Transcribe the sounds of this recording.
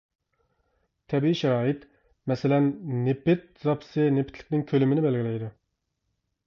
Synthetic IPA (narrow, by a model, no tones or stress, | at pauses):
t̪ʰɛbiiʃɛɾɑːjit̪ | mɛsɪlɛnːepɪt̪̚zɑpʰsɨnepʰɪt̪lɪ̥kʲnɪŋkʲʰølɪmɪnɪbɛlɡʲilɛjd̪u